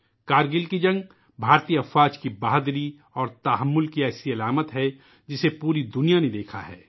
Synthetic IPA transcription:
kaːɾɡɪlkid͡ʒɐ̃ŋɡ | bʱaːɾt̪ijəɐfaːd͡ʒkibaːɦd̪ɾi | ɔːɾt̪ɐɦəmːʊlkiɛːsiɐlaːmət̪ɦɛ | d͡ʒɪsepuːɾid̪ʊnijaned̪eːkʰa̰ɦɛ̰ː

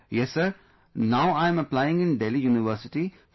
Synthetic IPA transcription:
jɛsːəɾ | naʊãɪ̃mɐplaɪɪ̃ŋɡɪ̃nɖelijuːnɪʋəɾsɪʈi

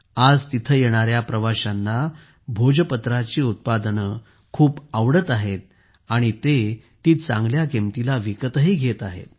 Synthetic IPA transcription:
ad͡zt̪it̪ʰəjeɽ̃aɾjapɾəʋaɕanːa | bʱod͡ʑəpət̪ɾat͡ɕiːut̪̚pad̪ənə | kʰuːpaʋɽət̪aɦet̪̚ | aɽ̃it̪e | t̪iːt̪t͡sã̰ŋɡljakemt̪ilaʋikət̪əɦiːɡʱet̪aɦḛt̪̚

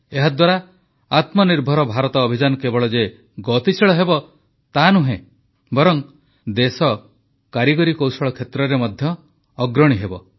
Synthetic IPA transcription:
eɦad̪waɾa | at̪mɔniɾbʱɔɾɔbʱaɾɔt̪ɔːbʱid͡ʒanɔkebɔɭɔd͡ʒe | ɡɔt̪isʰiɭɔɦebɔ | t̪anuɦḛ̃ | bɔɾɔŋ | d̪esɔ | kaɾiɡɔɾikowsɔɭɔkʰet̪ɾɔɾemɔd̪ʱjɔː | ɡɾɔɽ̃iɦebɔ

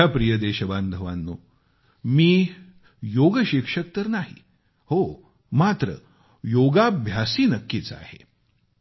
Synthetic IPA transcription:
apɾijəd̪eɕəband̪ʱəʋanːo | miː | joɡəɕikʂək̚t̪əɾnaɦḭ | ho | mat̪ɾə̰ | joɡabʱjasiːnəkːit͡sa̰hḛ

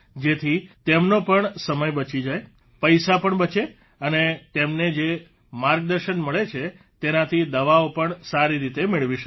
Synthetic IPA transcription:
d͡ʒet̪ʰit̪emnopəɳsəməjbət͡ʃid͡ʒaj | pəjsapəɳbət͡ʃe | ənet̪emned͡ʒe | maɾɡ̚d̪əɾʃənməɭet͡ʃʰe | t̪enat̪ʰid̪əʋaopəɳsaɾiɾit̪emeɭʋiʃə

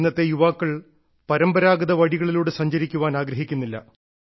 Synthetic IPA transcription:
nːɐt̪ːejuʋaːkːɐɭ | pɐɾɐmbɐɾaːɡɐðɐʋɐɽiɣɐɭiluːɽesɐɲd͡ʑɐɾikʲːuʋaːnaːɡɾɐɦikʲːunːilːɐ̰

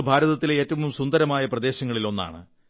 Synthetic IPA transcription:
bʱaːɾɐðɐt̪ːile̞ːtːɐʋumsund̪ɐɾɐmaːjɐprɐd̪e̞ːɕɐŋːɐɭilo̞nːa̰ːɳɨ̰

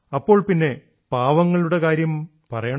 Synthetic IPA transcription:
ɐpːo̞ːɭpinːe̞ | paːʋɐŋːɐɭuɽe̞kaːɾjɐm | pɐrɐjɐɳɐ

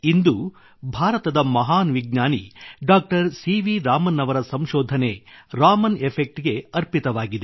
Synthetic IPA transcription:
ind̪u | bʱaːɾɐt̪ɐd̪ɐmɐɦaːnʋiɡ̚ɲaːnḭɖaːk̚ʈɐɾsiːʋiɾaːmɐnːɐʋɐɾɐsɐmʃɔːd̪ʱɐne̞ɾaːmɐnepʰek̚ʈɡe̞ɐɾpit̪ɐʋaːɡid̪e

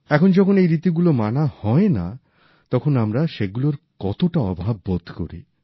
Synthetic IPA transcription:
ɛkʰond͡ʑɔkʰonejɾit̪iɡulomanahɔena̰ | t̪ɔkʰonamɾaʃeɡuloɾkɔt̪oʈaɔbʱabːod̪ʱko̰ɾḭ

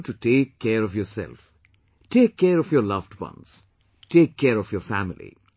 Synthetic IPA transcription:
ʈuʈeːkʰːɛːɾɔfjɔɾsɛ̰lf | ʈʰeːkʰːɛːɾɔfjɔlʌʋɖwʌ̰̃ns | ʈeːkʰːɛːɾɔfjɔːɾfæmɪlḭ

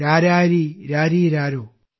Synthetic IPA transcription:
ɾaɾaɾiɾaɾiɾaɾo

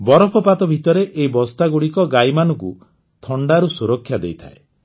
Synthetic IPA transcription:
bɔɾɔpʰɔpat̪ɔbʱit̪ɔɾeʔeibɔst̪aɡuɽikɔɡajmanɔŋku | t̪ʰɔɳɖaɾusuɾɔkʰːjad̪ḛjt̪ʰa̰e

